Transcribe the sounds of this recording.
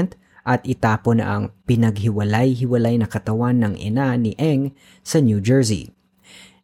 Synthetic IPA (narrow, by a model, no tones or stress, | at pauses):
nt̪ | ʔɐt̪ɪt̪aːponɐ̰ʔɐŋpɪnɐɡ̚ɦɪwɐlajɦɪwɐlajnɐkɐt̪ɐwanːɐŋʔɛ̰nanɪʔɛŋ | sɐnjud͡ʒɛɹsḭ